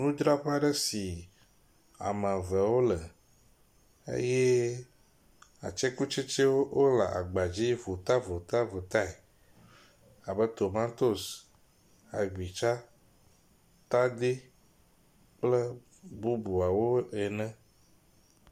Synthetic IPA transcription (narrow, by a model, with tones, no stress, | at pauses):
nũ˦d͡ʒ̪ɾa˦ɸa˦ɖə˦si˨ | a̰˨mə̃˨vɛ˨wo˦lɛ˨ | ḛ˦je˦ | a̰˨t͡ʃɛ˦ku˦t͡ʃe˦t͡ʃɛ˦wo˦wʔo˦la̰˨ʔa̰˨ɡ͡ba˨d͡ʑi˦vo˨t̪a˦vo˨t̪a˦vo˨t̪a˦ɛ˨ | a˨bə˦t̪o˨mã˦t̪o˦s | a˨ɡ͡bi˨t͡ʃa˦ | t̪a˦d̪i˦ | k͡plɛ˦ | bu˦bu˨a˨wo˦ɛ˨nɛ̃˦